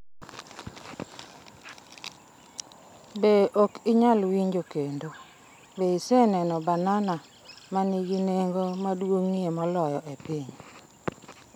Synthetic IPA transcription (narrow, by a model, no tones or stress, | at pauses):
beʔokɪɲalwiɲd͡ʒokendo | beisɛnɛnɔbanana | maniɡineŋɡomadwoŋːiemɔlɔjɔʔepiɲ